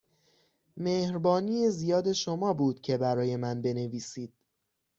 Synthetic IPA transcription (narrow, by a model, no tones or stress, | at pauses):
meːhɾbɒːniːezijɒːd̪e̞ʃomɒːbuːd̪̥cʰe̞bæɾɒːje̞mænbe̞ne̞viːsiːd̪̥̚